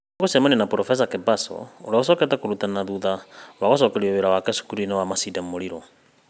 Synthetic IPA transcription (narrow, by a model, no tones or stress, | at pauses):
kusɛmaninapɾɔfɛs̬akɛbasɔ̰ṵlɛɔsɔkɛt̪ʼakuɾut̪ʼanaðuðawaɣɔs̬ɔkɛɺiɛβɛɾawakɛsu̥kuɾinɛwamasidamuɺiɾɔ